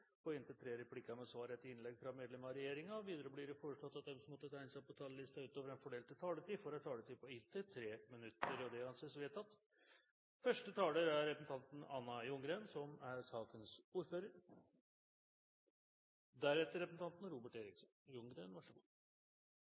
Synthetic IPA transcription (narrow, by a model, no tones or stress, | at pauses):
ɔɪnt̪ət̪ʰɾeːɾɛpʰlɪkɑmɛsʋɑːɾet̪ːɪɪnlɛɡfɾɑmeːd̪lɛmɾɑɾɛjeːɾɪŋɑɔʋiːd̪əɾəblɪɾɛfoːɾəʂɭɔt̪ːɑt̪̚d̪ɛmsɔmɔt̪ːət̪ʰæɪnsæɪpɔt̪ʰɑːləlɪst̪ɑʉːt̪oːʋəɾɛnfɔɖeːlt̪ɪlt̪ʰɑːləʈ̪iːfɔɾɑt̪ʰɑːlət̪iːpɔɪt̪ʰːət̪ʰɾeːmɪnʉt̪ːəɾɔd̪ɛɑnseːsʋeːt̪ɑt̪ | fœʂʈət̪ʰɑːləɾæɾɾɛpəsn̩t̪ɑnt̪n̩ɑnːɑjʊŋɡɾeːnsɔmæɾsɑːkənsuːɾføːɾəɾ | d̪æɾɛt̪ːəɾɛpəsn̩t̪ʰɑnt̪nɾuːbəʈeːɾɪksɔnjʊŋɡɾḛnʋɑʂəɡṵ